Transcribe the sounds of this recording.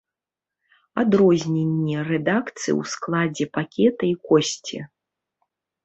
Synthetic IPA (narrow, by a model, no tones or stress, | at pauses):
ad̪ɾɔzʲnʲenʲːɛrɛd̪akt̪sɨ̰j̰wsklˠad͡zʲɛpakʲɛt̪ɐikɔsʲt͡sʲi